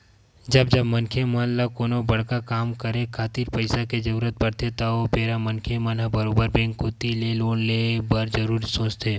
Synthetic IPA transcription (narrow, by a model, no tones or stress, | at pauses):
d͡ʒɐbd͡ʒɐbmɐnkʰemɐnlakoːnobɐɽkakaːmkəɾẽkʰaːt̪iːɾpəɪsaked͡ʒɐɾuːɾət̪̚bɐɾt̪ʰet̪aopeːɾamɐnkʰemɐnɦəbɐɾoːbəɾbɛ̃ːŋkɦot̪ileloːnlebɐɾd͡ʒɐɾuːɾsõːt͡ʃt̪ʰeː